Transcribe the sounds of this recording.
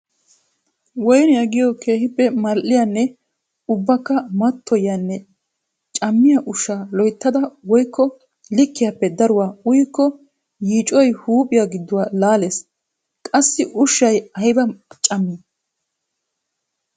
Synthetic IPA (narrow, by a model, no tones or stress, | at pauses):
wɔjnjɐɡɪjɔkʰe̞ːhɪpːɛmɐlʔɪjanːɛ | ʊbːɐkːɐmɐt̪ːɔjanːɛ | t͡ʃʼɐmːɪjaʔʊʃːalɔjt̪ːɐd̪ɐwɔjkʰːɔ | lɪkːɪjaːpːɛd̪ɐɾʊwaːʊjkːɔ | jiːt͡ʃʼɔjhuːpʼɪjaɡɪd̪ːʊwaːlaːleːs | kʼɐsːɪʔʊʃːɐjɐjbɐt͡ʃʼɐmːi